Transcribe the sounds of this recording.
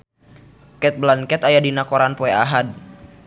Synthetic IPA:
kɛt̪̚blankɛt̪ajadinakɔɾanpɔɛaɦad̚

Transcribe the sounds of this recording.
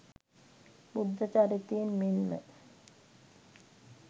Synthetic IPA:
bud̪ːat͡ʃaɾit̪ijenmenmə̰

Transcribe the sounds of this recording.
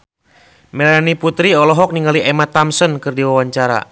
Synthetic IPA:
mɛlaaniput̪ɾiɔlɔɦɔk̚niŋɡaliʔɛmat̪amsɔnkɨrdiwawaɲt͡ʃaɾa̰

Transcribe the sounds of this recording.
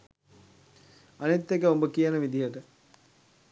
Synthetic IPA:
ɐnit̪ːekəombəkijənəʋid̪ijəʈə

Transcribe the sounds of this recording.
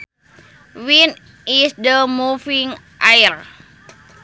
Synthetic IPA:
win | isdəmufiŋ | ʔajər

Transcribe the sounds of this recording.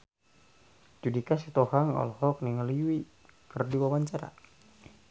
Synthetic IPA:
d͡ʒudikasit̪oɦaŋɔ̰lhɔk̚niŋəliwi | kərdiwawaɲt͡ʃaɾa̰

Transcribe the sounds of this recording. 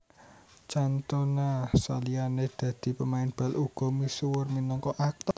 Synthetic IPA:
t͡ʃant̪onasa̰lianed̪̥ä̤d̪̥i̤pəmaɪnb̥ä̤lʔuɡ̥ɔ̤misuwərminɔŋkɔʔak̚t̪

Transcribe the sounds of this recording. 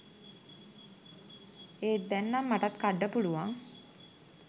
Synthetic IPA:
eːd̪ɛnːamːaʈat̪kaɖːəpuluʋaŋ

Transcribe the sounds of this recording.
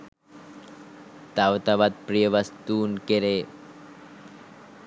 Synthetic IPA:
t̪awt̪ɐʋɐt̪̚pɾijəʋɐst̪uːnkeɾe

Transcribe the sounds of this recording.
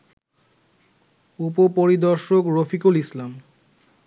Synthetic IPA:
upopoɾid̪ɔɾʃokɾofikulislam

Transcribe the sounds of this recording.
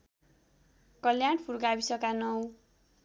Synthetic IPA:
kʌljaɽpʰuɾɡabisʌkanʌw

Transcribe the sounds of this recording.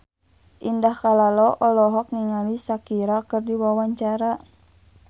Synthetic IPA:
ʔindahkalalɔʔɔlɔɦɔk̚ŋiŋalisakiɾakɨrdiwawaɲt͡ʃaɾa

